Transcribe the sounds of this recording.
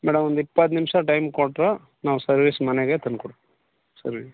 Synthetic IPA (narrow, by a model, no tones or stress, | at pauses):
mɛːɽɐmɔnd̪ipːɐt̪̬ːnɪmʂɐʈɐjmkoːʈːɾɐ | naːʋusɐɾʋiːsmɐneɡeːt̪ɐnkɔɽ | sɐ̰ɾʋi